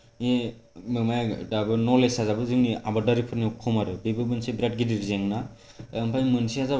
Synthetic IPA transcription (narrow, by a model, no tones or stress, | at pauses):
emɯmajadabɯnɔlesazabɯzɯŋnia̰badaɾipʰɯɾniɔkʰːɔmaɾɯbibɯbɯnsibɾad̚ɡidiɾzeŋnaː | mpʰajmɯnsiaza